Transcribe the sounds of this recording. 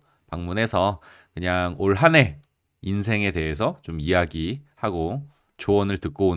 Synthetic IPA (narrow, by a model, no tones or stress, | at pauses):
paŋmune̞sʰʌ | kɯɲaŋoɭɦane̞ | insʰe̞ŋe̞te̞ɦe̞s̬ʰʌt͡ɕomijaɡihaɡo | t͡ɕoʌnɯɭtɯk̚k͈oon